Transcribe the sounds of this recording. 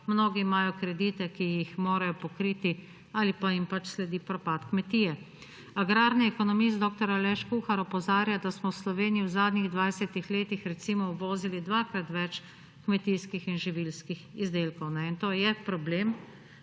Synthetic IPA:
mnoːɡiːmajɔkɾɛd̪iːt̪ɛkijixmoːɾajɔpɔkɾiːt̪i | alipaimpat͡ʃslɛd̪iːpɾɔpaːt̪kmɛt̪iːjɛ | aɡɾaːɾniɛkɔnɔmist̪d̪oːk̚t̪ɔɾalɛʃkuxaɾɔpɔzaːɾjad̪asmɔwslɔʋeːnijiwzaːd̪niɣd̪ʋajsɛt̪ixleːt̪ixɾɛt̪simɔwʋoːzilid̪ʋakɾat̪ʋɛt͡ʃ | kmɛt̪iskixinʒiʋilskixizd̪eːlkɔwnɛint̪oːjɛpɾɔbleːm

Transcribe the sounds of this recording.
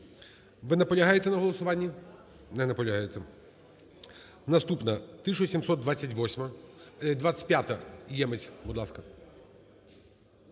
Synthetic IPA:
ʋɪnɐpɔlʲɐɦajet̪ɛnɐɦɔlˠɔsʊʋɑnʲːɐ | nɛnɐpɔlʲɐɦajet̪ɛ | nɐst̪upnɐt̪ɪʃɔsʲimsɔt̪̚d̪ʋat͡sʲːɐtʲʋɔsʲmɐd̪ʋaɐ̥tʲpjat̪ɐjɛmet͡sʲbʊd̪lˠɑskɐ

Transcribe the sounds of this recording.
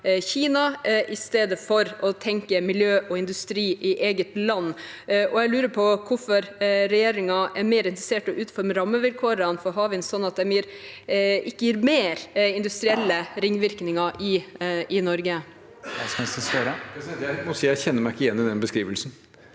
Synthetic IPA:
çiːnɑʔɪst̪eːd̪əfɔɾɔt̪ʰɛŋkəmɪljøːʔɔɪnd̪ʉst̪ɾiːʔɪʔeːɡət̪lɑnː | ʔɔɛɡlʉːɾəpʰɔkʰʊfɔɾɾɛjeːɾɪŋɑʔɛɾmeːɾɪnt̪ɾəseːʈəʔʉːt̪̩fɔɾməɾɑmːəʋɪlkʰoːɾənfɔɾɦɑːʋɪnsɔnːɑt̪̚d̪ɛmiːɾ | ɪkːəjiːɾmeːɾɪnd̪ʉst̪ɾɪɛlːəɾɪŋːʋɪɾknɪŋɑʔɪɪnɔɾɡə | ɛskɑsɛseɾəsɑt̪jæɪmɔsiːjæɪçɛnːəmæɪɪkːəɪjɛnːɪd̪ɛnbəskɾiːʋəlsn

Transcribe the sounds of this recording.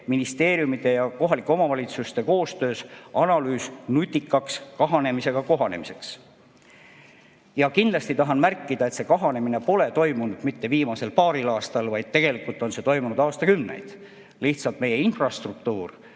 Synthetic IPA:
minist̪e̞ːɾjumid̪e̞jɑko̞ɦɑlikːˑeo̞mɑvɑlʲit̪sust̪e̞ko̞ːst̪ø̞ːsɑnɑlyːsnut̪ʲːikːˑɑkskɑɦɑne̞mise̞ɡ̥ɑko̞ɦɑnemise̞ks | jɑkind̪lɑst̪it̪ɑɦɑnmærkˑːid̪ɑe̞t̪se̞kɑɦɑne̞mine̞po̞le̞t̪o̞jmunud̪̥mit̪ːe̞viːmɑse̞lpɑːɾilɑːst̪ɑlvɑjd̪̥̚t̪ːe̞ɡ̥e̞likːˑult̪ːˑo̞nse̞t̪o̞jmunud̪ɑːst̪ɑkymnḛjd̪̥ | liht̪sɑlt̪me̞je̞infrɑst̪ruk̚t̪uːr

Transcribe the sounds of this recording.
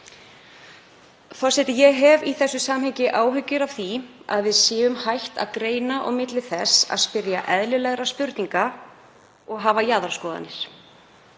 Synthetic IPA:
θḁsɛt̪ɪjɛɣɦɛviθɛsːʏsaːmɦɛɲcɪʔaːwɦʏcːʏɾav̥θia̰ðvɪðsɪːvʏmhajht̪a̰ðkɾeːjnaʔɔ̰ɣmɪt̪lɪθɛsːa̰ðspɪɾjaʔɛðlɪlɛɣɾaspʏɾt̪niŋka | ɔɣɦaːvajaðaɾskɔːða̰nːɪɾ̥

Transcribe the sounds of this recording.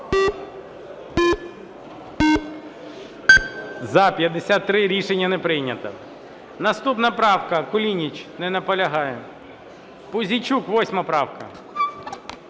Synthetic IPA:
zɐpʲjɐd̪ːesʲat̪ːɾɪɾʲiʃenʲːɐnɛpɾɪjnʲɐt̪ɐ | nɐst̪upnɐpɾɑwkɐkʊlʲinʲit͡ʃnɛnɐpɔlʲɐɦɑjɛ | pʊzʲit͡ʃukʋɔsʲmɐpɾɑwkɐ

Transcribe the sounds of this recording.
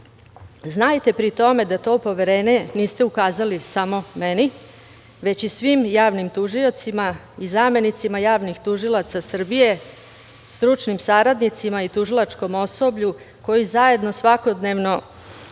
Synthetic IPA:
znajt̪e̞pɾit̪o̞me̞d̪at̪o̞ːpo̞ʋe̞ɾe̞ːneniːst̪e̞ukaːzalisamo̞me̞ni | ʋe̞t͡ɕisʋimjaːʋnimt̪uʒio̞t̪sima | izame̞nit̪simajaːʋnixt̪uʒilˠat̪sasr̩bije̞ | st̪ɾut͡ʃnimsaɾad̪nit̪simait̪uʒilat͡ʃko̞mo̞so̞bʎu | ko̞jizaje̞d̪no̞sʋako̞d̪ne̞ʋno̞

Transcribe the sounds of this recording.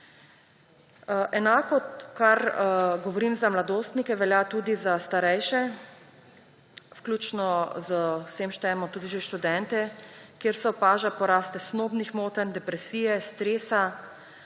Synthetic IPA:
ʔɛnaːkɔkaɾɡɔʋɔɾiːmzamlad̪oːst̪nikɛʋɛljat̪uːd̪izast̪aɾɛjʃɛ | wklʲuːt͡ʃnɔzəwseːmʃt̪ɛːɛmɔt̪uːd̪iʒeʃt̪ud̪ɛnt̪ɛkjeːɾsɛɔpaːʒapɔɾaːst̪ɛsnoːbnixmoːt̪and̪ɛpɾɛsiːjɛst̪ɾeːsa

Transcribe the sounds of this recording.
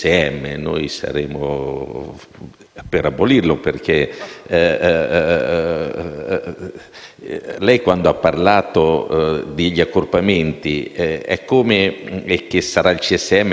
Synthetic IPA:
eɛmːenojsa̰ɾeːmo̰ | peɾabːolirloperk̟e | lɛjkwand̪oapːarlaːt̪od̪ɪʎːiakːorpament̪iɛɛ̰kːomeek̟ːesːaɾailt͡ʃiɛsːeɛmː

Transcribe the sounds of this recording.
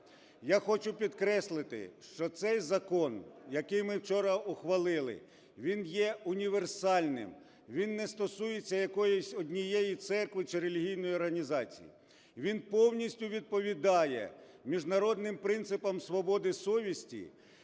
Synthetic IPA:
jaxɔt͡ʃʊpʲid̪kɾɛslˠɪt̪ɪ̰ʃt͡ʃɔt̪sɛjzɐkɔnjɐkɪjmɪwt͡ʃɔɾɐʊxʋɐlˠɪlˠɪ̰ | ʋʲinjɛʊnʲiʋersɑlʲnɪ̰m | ʋʲinːɛst̪ɔsujet͡sʲːɐjɐkɔjɔsʲɔdʲnʲijejit̪sɛrkʋɪt͡ʃɪɾelʲiɦʲijnɔjɔrɦɐnʲizɑt͡sʲḭjḭ | ʋʲinpɔwnʲisʲtʲʊʋʲid̪̚pɔʋʲid̪ɑjɛ̰ | mʲiʒnɐɾɔd̪nɪmpɾɪnt̪sɪpɐmsʋɔbɔd̪ɪsɔʋʲisʲtʲḭ

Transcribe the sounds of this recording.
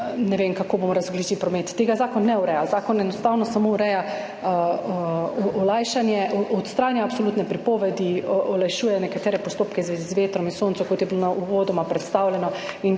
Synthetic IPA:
nɛʋemkakobomɔɾazɔɡlit͡ʃipɾɔmet̪ːeɡazaːkɔnːɛuɾɛjazaːkɔnɛnɔst̪awnɔsamouɾɛja | ɔlajʃanjɛʔɔɔt̪st̪ɾaːnjaːpsolut̪nɛpɾipoʋɛd̪iʔɔlajʃuːjɛnɛkat̪ɛːɾɛpɔst̪oːpkɛzʋezizʋeːt̪ɾɔminsont̪sɔkot̪jɛbilonauʋod̪ɔmapɾɛt̪st̪awlʲjɛnɔin

